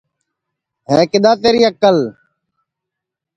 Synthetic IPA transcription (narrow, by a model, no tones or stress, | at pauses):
ɦẽːkɪɗ̪ãːt̪eːɾiːəkəl